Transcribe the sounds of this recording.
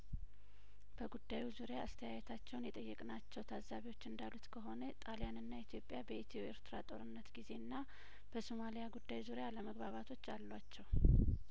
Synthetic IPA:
b̥əɡud̪ːajuzuɾejaːst̪ʰəjajɛt̪ʰat͡ʃːɛwnjɛt̪ʼəjːɨkʼnat͡ʃːɛwt̪ʰazːaβiwo̞t͡ʃːɨnd̪alut̪kʰəɦo̞nət̪ʼalijanɨnːait̪ʰjo̞pʼjabəit̪ʰioeɾt̪ʰɨɾat̪ʼo̞̰ɾɨnːət̪ɡize̞nːa | b̥əsomalijaɡud̪ːajuzuɾejaləməɡβaβat̪ʰo̞t͡ʃːalːwat͡ʃːɛw

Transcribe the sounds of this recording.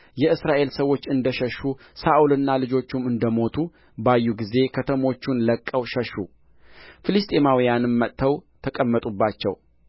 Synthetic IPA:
jɛɨsɾaʔe̞lsəwo̞t͡ʃːɨnd̪əʃəʃːu | saʔulɨnːalɨd͡ʒo̞t͡ʃːumɨnd̪əmo̞t̪ʰu | bajːuɡize̞kʰət̪ʰəmo̞t͡ʃːunləkʼːəwʃəʃːṵ | fɨlɨst̪ʼe̞mawijanɨnmət̪ʰːəwt̪ʰəkʼəmːət̪ʼubːat͡ʃːɛ̰w

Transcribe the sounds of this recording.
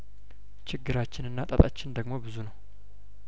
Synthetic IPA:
t͡ʃɪɡːɨɾat͡ʃːɪnɨnːat̪ʼət̪ʼat͡ʃːɪnd̪əɡmo̞bɨzunəw

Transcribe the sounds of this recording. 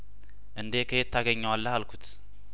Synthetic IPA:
ʔɨnd̪ekʰəjɛt̪ʰːaɡəɲːəwalːəhalkʰut̪ʰ

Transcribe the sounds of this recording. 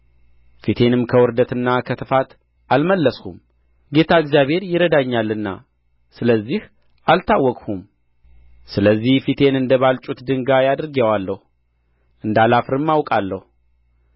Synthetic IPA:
fit̪ʰe̞nɨmkʰəwɔɾd̪ət̪ɨnːakʰət̪ʰɨfat̪ | ʔalməlːəskum | ɡe̞t̪ʰaɨɡzijaβhe̞ɾjɪɾəd̪aɲːalːɨnːa̰ | sɨləzːih | ʔalt̪ʰawːɔkʼhum | sɨləzːihfit̪ʰe̞nɨnd̪əβalt͡ʃʼut̪d̪ɨŋɡajad̪ɾɡewalːəhu | ʔɨnd̪alafɾɨmːawkʼalːəhu

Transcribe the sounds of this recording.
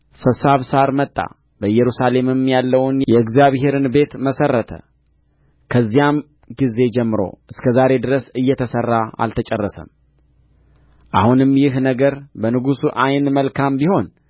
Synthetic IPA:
sɨsaβsaɾmət̪ʼːa̰ | bəjɛɾusale̞mɨmjalːəwnjɛɨɡzijaβhe̞ɾɨnbe̞t̪məsərːət̪ʰə̰ | kʰəzːijam | ɡize̞d͡ʒɛmːɨɾo̞̰ʔɨskʰəzaɾe̞d̪ɨɾəsɨjːɛt̪ʰəsərːaa̰lt̪ʰət͡ʃʼɛrːəsə̰m | ʔa̰hunɨmjɪɦnəɡəɾbənɨɡusuʔajnməlkʰambiho̞n

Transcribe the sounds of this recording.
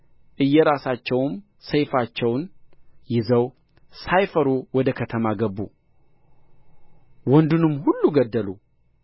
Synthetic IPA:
ʔɨjːɛɾasat͡ʃːɛwm | səjfat͡ʃːɛwnjɪzəw | sajfəɾuwɔd̪əkʰət̪ʰəmaɡəbːṵ | wɔnd̪unɨmːhulːuɡəd̪ːəlu

